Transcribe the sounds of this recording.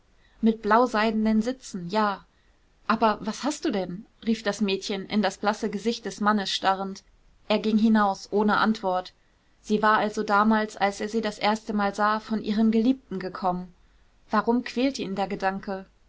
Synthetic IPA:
mɪt̚b̥laʊzaɪdn̩dənzɪt͡sn̩jaː | ʔaːbɐvashastd̥uːdɛn | ʁiːfd̥asmɛːtçənʔɪ̰ndasb̥lasəɡəzɪçt̚d̥ɛsmanəsʃtaʁ̞ənt | ʔeːɐɡɪŋɦɪnaʊsʔoːnəʔa̰ntv̥ɔɐt | z̥iːvaːɐʔalzodaːmaːlsʔalseːɐziːdasʔeːɐstəmaːlzaːfɔnʔḭːʁəmɡəliːp̚tn̩ɡəkʰɔmən | vaʁʊmkʰv̥ɛːltəiːndeːɐɡədaŋkʰə

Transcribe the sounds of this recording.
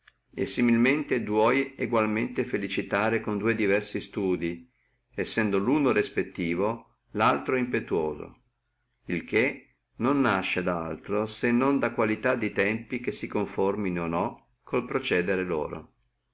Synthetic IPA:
ḛsːimilment̪ed̪wɔjeɡwalment̪efelit͡ʃit̪aːɾekond̪uːed̪ivɛrsist̪uːd̪i | ɛsːɛnd̪oluːnorespet̪ːiːvo | lalt̪ɾoimpet̪uwoːzo̰ | ilk̟e | nonːaʃːed̪aa̰lt̪ɾosenːond̪akwalit̪ad̪ːit̪ɛmpikesikoɱforminonɔ | kʰolpɾot͡ʃɛːd̪eɾelo̰ːɾo̰

